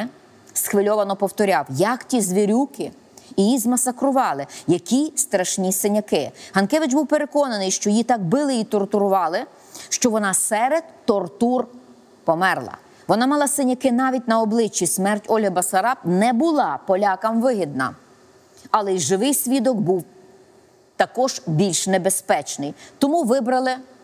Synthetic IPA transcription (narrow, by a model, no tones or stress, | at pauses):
sxʋɪlʲɔʋɐnɔpɔwt̪ɔɾʲɑwjɐktʲizʲʋʲiɾʲukɪ | ijizmɐsɐkɾʊʋɑlˠɪjɐkʲist̪ɾɐʃnʲisɪnʲɐkɪɦɐnkɛʋɪd͡ʒbuwpeɾekɔnɐnɪjʃt͡ʃɔjit̪ɑk̚bɪlˠɪit̪ɔrt̪ʊɾʊʋɑlˠɪ | ʃt͡ʃɔʋɔnɑsɛɾed̪ːɔrt̪ur | pɔmɛrlˠɐ̰ | ʋɔnɑmɐlˠɑsɪnʲɐkɪnɑʋʲit̚ʲnɐɔblˠɪt͡ʃʲːismɛrtʲɔlʲɦɐbɐsɐɾɑpnɛbʊlˠɑpɔlʲɑkɐmʋɪɦid̪̚nɐ̰ | ɐlˠɛiʒɪʋɪjsʲʋʲid̪ɔɡbuw | t̪ɐkɔʒ̥bʲilʲʃnebespɛt͡ʃnɪjt̪ɔmuʋɪbɾɐlˠɪ